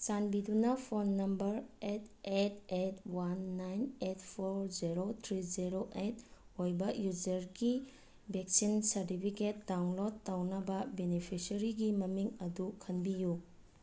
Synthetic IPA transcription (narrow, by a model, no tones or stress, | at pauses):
t͡ʃanbidunɐpʰonːɐmbɐɾetet̚ʰetwanːajnet̚ʰpʰoɾd͡ʒiɾot̪ʰɾid͡ʒiɾoʔet | ojbɐjud͡ʒɐɾɡi | bek̚sinsɐɾtipʰiket̚dawnlodːawnɐbɐbenipʰisɐɾiɡimɐmiŋɐdukʰɐnbiju